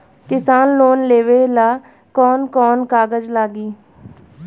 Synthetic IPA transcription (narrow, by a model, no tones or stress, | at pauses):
kɪsaːnloːnleːʋeːlaː | kɔːnkɔːnkaːɡəd͡ʒlaːɡiː